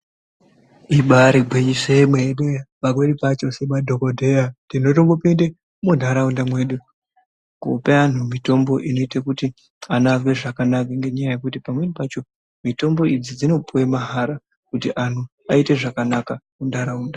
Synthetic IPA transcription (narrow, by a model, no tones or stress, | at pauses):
iɓaɾiɡʱweiʃemweɗeɓak̬weɗipat͡ʃo̞seɓadʱo̞kodʱejatino̞tomɡopinde | mun̤ʱaɾaundamwe̞ːɗu | ko̰pean̤umito̞mbo̞ʔino̞itakuti | anavwe̞ʐakanakaŋɡe̞ɲajaje̞kutipamwe̞ɗipat͡ʃo̞ | mito̞mbo̞id͡zid͡zino̞puwemaɦaɾa | kutiʔan̤u | aite̞ʐakanakamundʱaɾauːnda